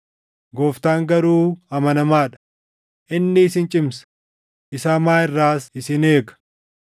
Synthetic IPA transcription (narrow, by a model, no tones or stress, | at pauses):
ɡoːft̪aːŋɡɐɾuːɐmɐnɐmaːᶑɐ̥ | ʔɪnːɪːsɪnt͡ʃʼɪms | ʔɪsaːmaːɪrːaːsɪsɪne̞ːɡɐ̥